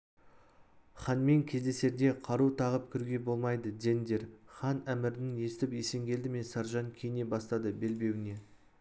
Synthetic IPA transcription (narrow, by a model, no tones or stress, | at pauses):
χɑnme̞ŋkʲʰe̞zd̪e̞se̞ɾd̪e̞qʰɑɾut̪ʰɑʁəp̚kʲʰʏɾɡʲe̞bo̞lˠmɑjd̪əd̪e̞nd̪e̞ɾχɑnæmɪɾɪnɪne̞st̪ɪpje̞se̞ŋɡʲe̞ld̪ɪme̞nsɑɾʒɑŋkʲʰejne̞bɑst̪ɑd̪əbe̞lbe̞wɪne̞